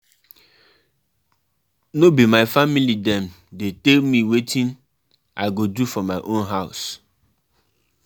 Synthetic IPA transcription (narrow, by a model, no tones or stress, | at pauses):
nobimaɪfamilidɛ̃m | detelmiwetʰĩn | ʔaɪɡodufɔmaɪʔõnɦaʊs